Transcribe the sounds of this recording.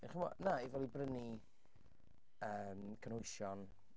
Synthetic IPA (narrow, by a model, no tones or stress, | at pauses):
ɪχəmɔ̰naivɔlˠibrəni | əːmkʰənhʊjʃjɔn